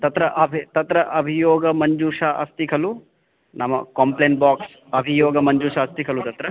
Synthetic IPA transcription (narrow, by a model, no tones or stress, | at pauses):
t̪ɐt̪ɾɐʔɐbʱit̪ɐt̪ɾɐʔɐbʱijɔːɡɐmɐɲd͡ʒuːʂaʔɐ̰st̪ikʰɐlu | nʔɐmːɐ̰kɐmpleːɳʈbaːks | ɐbʱijɔːɡɐmɐɲd͡ʒuːʂɐːst̪ikʰɐlut̪ɐt̪ɾɐ